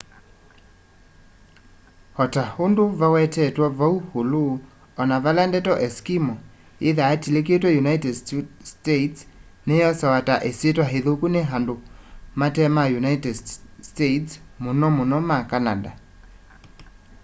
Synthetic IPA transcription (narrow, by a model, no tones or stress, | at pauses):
hɔtahondoβawɛtɛtwɔβauholo | ɔnaβalandɛtɔʔɛskimɔ | eðaːtilek̬etwɛjunaitɛdstetsnejɔsɛwataʔesetwaɦeðokuneɦandomatɛmajunaitɛdstetsmonɔmonɔmakanada̰